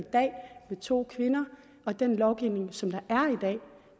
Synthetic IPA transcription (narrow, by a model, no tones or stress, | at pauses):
id̥ɛ̰ːmet͡sʰo̝̰ːkʰʋe̝nɐ | ɒ̽d̥enlɒʊɡ̥iʊ̰ne̝ŋsɒ̽md̥ɑ̈ʔæɐid̥ɛ̰ː